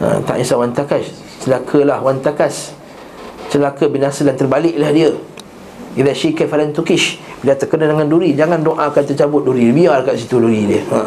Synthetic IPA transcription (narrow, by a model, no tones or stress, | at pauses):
ə̰̃t̪a̰ʔisawant̪akas | t͡ʃəlakʰəlahwant̪akas | t͡ʃəlakəbinasədant̪ərbalɪʔlahdiə | iðɛʃikɛfalant̪ukɪʃbilat̪ərkənadəŋanduɾid͡ʒaŋãndoʔãːkant̪ət͡ʃabʊt̪̚duɾiəbiarkaʔsit̪uduɾidiəa